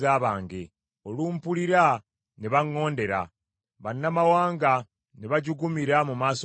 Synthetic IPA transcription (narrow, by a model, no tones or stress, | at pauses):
aːβaːŋɡe̞ | oluːmpuliɾa | neβaŋːo̞ːnde̞ɾa̰ | βanːamawaːŋɡa | neβaɟuɡumiɾamumaːso